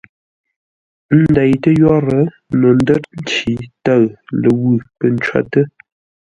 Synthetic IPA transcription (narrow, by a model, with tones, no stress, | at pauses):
n̩˦da˨jtə˦jɔ˦ɾə˨˦ | no˨n˦də˦t̚n̩˦t͡ʃi˨˦ta˦˨ɰlə˨wʉ˦˨pə˨n˨t͡ʃɥa̰˦tə˦